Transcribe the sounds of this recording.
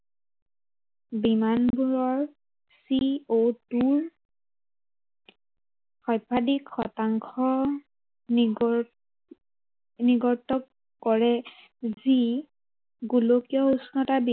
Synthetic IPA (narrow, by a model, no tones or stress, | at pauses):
bimanbuɹɔɹ | siotuɹ | xɔjpʰadikxɔtaŋkʰɔ | niɡɔɹtɔk | kːɔɹɛ | zi | ɡulokijɔusnɔtabi